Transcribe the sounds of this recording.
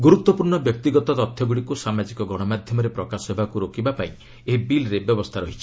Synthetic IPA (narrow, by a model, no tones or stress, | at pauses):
ɡuɾut̪wɔpuɾɳɔbjɔk̚t̪iɡɔt̪ɔt̪ɔt̪ʰːjɔɡuɽikusamad͡ʒikɔɡɔɽ̃ɔmad̪ʱjɔmɔɾepɾɔkasɔɦebakuɾokibapaĩ | eɦibilɾebjɔbɔst̪ʰaɾɔɦit͡ʃʰi